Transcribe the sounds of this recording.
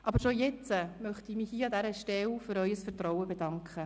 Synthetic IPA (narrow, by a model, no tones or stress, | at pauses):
ʔɑbəɾʃojɛt͡səmœχtimiːhiːɑd̪æɾəʃtɛlfʏɾœʏəsfərtɾɔwəbedɑŋkʰχə